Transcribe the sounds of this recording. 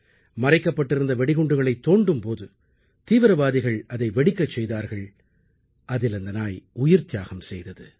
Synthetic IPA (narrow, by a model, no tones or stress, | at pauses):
mɐɾɐɪkːɐpːɐʈːɪɾɯnd̪ɐʋɛɽɪɣɔɳɖɯɣɐɭɐɪt̪ːoːɳɖɯmpoːðɯ | t̪iːʋɪɾɐʋaːðɪɣɐɭɐðɐɪʋɛɽɪkːɐt͡ʃːɛjðaːɾɣɐɭ | ʔɐðɪlɐnd̪ɐnaːjʊjɪɾt̪jaːɣɐmsɛjðɐðɯ